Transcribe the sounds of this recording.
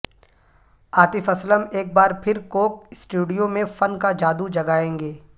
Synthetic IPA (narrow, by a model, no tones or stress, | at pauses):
aːt̪ɪfɐsləmeːk̚baːɾpʰɪɾkoːk̚sʈuːɖijõmẽfɐnkad͡ʒaːd̪ud͡ʒɐɡaːẽːŋɡeː